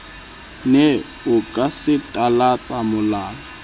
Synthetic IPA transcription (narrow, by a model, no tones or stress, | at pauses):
nɛ | ʊkʼasɪtʼalat͡sʼamʊlaːla